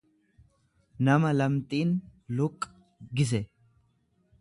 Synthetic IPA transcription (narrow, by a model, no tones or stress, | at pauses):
nɐmɐlɐmt̪ʼiːnlʊkʼː | ɡɪs̬ɛ